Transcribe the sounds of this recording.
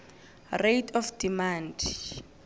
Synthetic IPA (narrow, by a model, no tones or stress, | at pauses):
retʰɔfd̥imand